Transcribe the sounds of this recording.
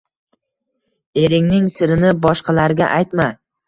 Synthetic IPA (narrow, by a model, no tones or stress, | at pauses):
e̞ɾɪŋnɪŋsɪɾɪnɪbɒʃqɑlaɾɡʲa̰ʔajt̪ma